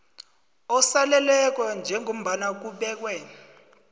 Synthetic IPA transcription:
ɔsalɛlɛk̬wand͡ʒʱɛŋʱom̩ɓanak̬uɓɛːk̬wɛːn

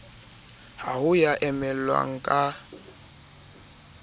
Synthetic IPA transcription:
hahʊjaʔɛmɛlwa̰ŋ̩kʼa

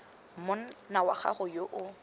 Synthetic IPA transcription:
m̩mʊn̩nawaχa̰χʊjoʔʊ

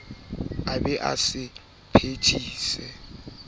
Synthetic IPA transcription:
abɛʔa̰sɪ | pʰetʰiːsɛ

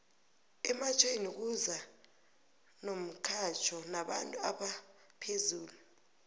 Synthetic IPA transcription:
ɛmat͡ʃʰʼenik̬uza | nom̩kʰat͡ʃʰɔnaɓa̰ntʼuaɓa | pʰezuːlu

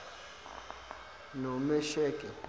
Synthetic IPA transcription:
nomɛʃɛːkʼɛ

